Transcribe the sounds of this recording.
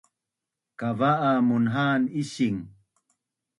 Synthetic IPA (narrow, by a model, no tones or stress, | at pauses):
kavaʔamunɦaniɕiŋ